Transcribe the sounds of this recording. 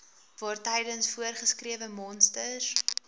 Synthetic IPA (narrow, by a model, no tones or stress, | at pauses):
vɑːrtɛjdənsfuərχəskriəvəmɔnstəs